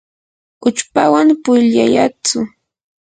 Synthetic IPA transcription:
ʊt͡ʃpawaŋpʊjʎajat͡sʊ

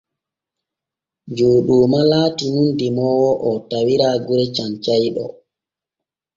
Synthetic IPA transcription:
d͡ʒuːɗuːmalaːtunundimɔwɔʔɔtawiɾaːɡuɾɛt͡ʃant͡ʃajɗɔ̰

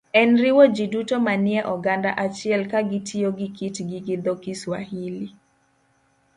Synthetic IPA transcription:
ɛnɾɪwod͡ʒidutomanɪɛʔɔɡanda̰ʔat͡ʃɪɛlkaɡɪtʰioɡɪkitɡɪɡɪd̪ɔkiswa̰hili

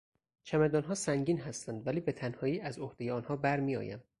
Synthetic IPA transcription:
t͡ʃʰæmæd̪ɒːnɦɒːsæŋɟiːnɦæst̪ænd̪væliːbe̞t̪ʰænhɒːiːʔæzohd̪e̞jeɒːnhɒːbæɾmiːjɒ̰ːjæ̰m

